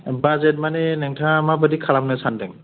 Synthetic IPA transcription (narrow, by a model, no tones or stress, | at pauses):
bazɛt̚manɛnɛŋtʰamabədikʰalamnasandɛŋ